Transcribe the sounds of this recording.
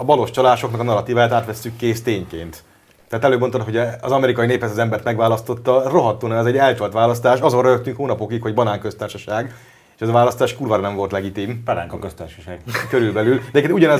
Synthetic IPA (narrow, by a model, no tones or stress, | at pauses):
ɒbɒlo̞ʃt͡ʃɒlaːʃo̞knɒkɒnɒɾɒt̪iːvaːjaːt̪aːt̪ʋɛsːykːeːst̪eːɲkḛːnt̪ː | ɛɦat̪ɛløːmoot̪ɦoɟɛɒ̰zɒmɛɾikɒjineːphɛsɒzɛmbɛrt̪mɛɡvaːlɒst̪o̞t̪ːɒro̞ɦɒt̪ːoːnɛmɛzɛɟɛlt̪ɒlt̪ʋaːlɒst̪aːʃɒzo̞rjøkt̪ːyŋkoːnɒpo̞kikho̞ɟbɒnaːŋkø̞st̪aːrʃɒʃaːɡ | eːʃɛzɒvaːlɒst̪aːʃkurvaːɾɒnɛɱvo̞lt̪lɛɡit̪impɛɾa̰ŋkɒkøst̪aːrʃɒ̥ʃaːɡkøɾylbɛlylɛɛkeuɟɒnɛ